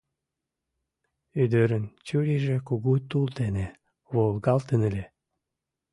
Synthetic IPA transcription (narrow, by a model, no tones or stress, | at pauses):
yd̪øɾənt͡ɕuɾiʒĕkuɣut̪ult̪ene | βolɣɑlt̪ənə̆lʲe